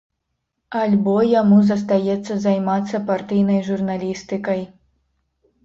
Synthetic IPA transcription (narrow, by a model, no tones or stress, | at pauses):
alʲbɔjamuzɐs̬t̪ajɛt̪sːɐzajmat̪sːɐpart̪ɨjnɐjʐurnalʲist̪ɨkɐj